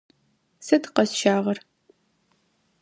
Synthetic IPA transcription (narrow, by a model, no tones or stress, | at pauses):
sɨtqɐsʃaːʁɐr